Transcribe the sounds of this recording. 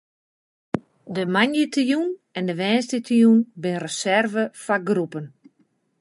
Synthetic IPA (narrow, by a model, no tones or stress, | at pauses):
dəmanjətʰjunɛndəʋɛːnstətʰijunbɪnrəsɛrvəfaɡrupən